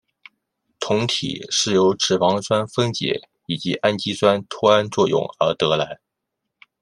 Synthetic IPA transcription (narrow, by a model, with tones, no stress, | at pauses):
t̪ʰʊ˧˥ŋt̪ʰḭ˨˩ʂɻ̩˥˩jo˧˥ʊʈ͡ʂɻ̩˨˩wɑ˧˥ŋswa˥nfə˥ŋt͡ɕjɛ̰˧˥ | i˨˩t͡ɕi˧˥ʔa˥nt͡ɕi˥swa˥nt̪ʰu˥a˥nt͡swɔ˥˧jʊ̰˥˩ŋə˞˧˥t̪ɤ˧˥la˧˥ɪ